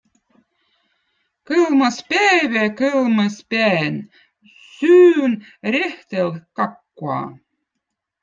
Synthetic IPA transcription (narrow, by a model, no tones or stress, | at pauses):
kɤlˠmɑspæβækɘlmɤspeæn | syːnɾʲeht̪elkɑkːuɑ̰